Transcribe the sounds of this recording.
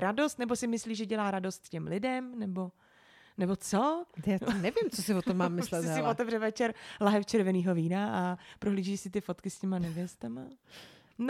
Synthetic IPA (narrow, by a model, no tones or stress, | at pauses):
ɾado̞st̪nɛbosɪmɪsliːʒɛɟɛlaːɾado̞st̪cɛmlɪdɛmnɛbo | nɛbo̞t͡sojaːnɛvɪmt͡sosɪvot̪omːaːmːɪslɛt̪ɦsɛɪlot̪ɛvrɛvɛt͡ʃɛɾlaɦɛft͡ʃɛɾvɛniːɦo̞viːnaʔapɾoɦliːʒiːsɪt̪ɪfo̞t̪kɪscɛmanɛvjɛst̪ama | n